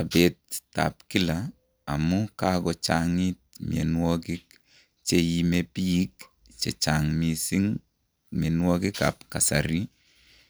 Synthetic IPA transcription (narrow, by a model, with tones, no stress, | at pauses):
abet̚ːa̰˨pki˦la | a̰˨mukakɔ˨t͡ʃaŋi˦t̚mjḛ˨nwɔ˦kik̚ | t͡ʃejimepi˦jik | t͡ʃḛ˨t͡ʃaŋmisi˦ŋ | me˨nwɔ˦kɪ˦ka̰p̚ka˨sa̰ɾi˦